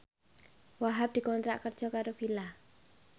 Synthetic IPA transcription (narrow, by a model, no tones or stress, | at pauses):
waɦap̚d̪̥i̤kɔnt̪ɾa̰ʔkərd̥ʒ̥ɔ̤kaɾofila